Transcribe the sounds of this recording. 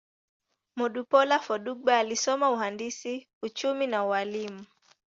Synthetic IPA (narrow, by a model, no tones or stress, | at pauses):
mɔɗupɔlafɔɗuɓaːlisɔmauhandisi | ut͡ʃuminawwalimu